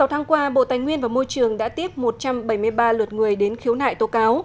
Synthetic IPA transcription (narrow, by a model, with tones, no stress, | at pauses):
sa˨˦wt̪ʰaː˨˦ŋkwaː˧ɓo̰˧˨t̪aː˨˩jŋwi˧ənvaː˨˩mo˧jt͡ɕɨ˨˩əŋɗa̰ː˧˥t̪i˦˥əp̚mo˨˩t̚t͡ɕa˧mɓə˧˩jmɨ˧əjɓaː˧lwə˨˩t̚ŋɨ˨˩əjɗe˨˦nxi˨˦əwna̰ː˧˨jt̪o˨˦kaː˨˦w